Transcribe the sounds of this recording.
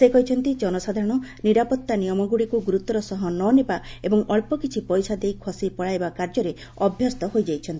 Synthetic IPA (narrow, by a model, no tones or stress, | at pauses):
sekɔɦit͡ʃʰɔnt̪id͡ʒɔnɔsad̪ʱaɾɔɽ̃ɔniɾapɔt̪ːanijɔmɔɡuɽikuɡuɾut̪ɔɾɔsɔɦɔnɔnebaebɔŋɔɭpɔkit͡ʃʰipɔjsad̪ejkʰɔsipɔɭajbakaɾd͡ʒɔɾe | ɔbʱjɔst̪ɔɦojd͡ʒajt͡ʃʰɔnt̪ii